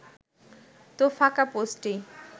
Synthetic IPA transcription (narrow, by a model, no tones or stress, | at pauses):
t̪ofakaposʈi